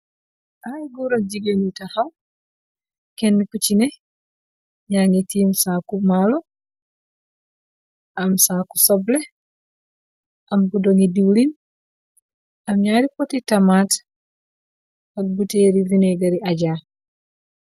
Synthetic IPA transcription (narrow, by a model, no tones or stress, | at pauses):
ʔajɡuɾad͡ʒiɡenitahaw | kenːikut͡ʃine | ɲaŋetiːmsakumalo | amsaːkusoble | amɡudoŋidiwlin | amɲaːɾipotitamaːt | ak̚buteɾivineɡaɾiaɟa